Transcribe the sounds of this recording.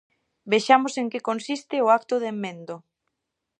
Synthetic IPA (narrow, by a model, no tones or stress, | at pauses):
beʃamoseŋkekonsist̪ɪoak̚t̪oðemːẽnd̪o